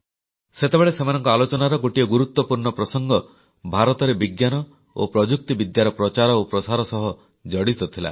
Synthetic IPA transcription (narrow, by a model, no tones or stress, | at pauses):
set̪ebeɭesemanɔŋkɔalot͡ʃɔnaɾɔɡoʈiɔɡuɾut̪wɔpuɾɳɔpɾɔsɔŋɡɔ | bʱaɾɔt̪ɔɾebiɡjanɔ | o̰pɾɔd͡ʒuk̚t̪ibid̪jaɾɔpɾɔt͡ʃaɾɔopɾɔsaɾɔsɔɦɔ | d͡ʒɔɽit̪ɔt̪ʰila̰